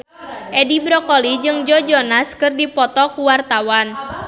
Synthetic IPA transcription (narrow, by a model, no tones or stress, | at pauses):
ʔɛdibɾɔkɔlid͡ʒɨŋd͡ʒɔd͡ʒɔnaskɨrdipɔt̪ɔkuwart̪awan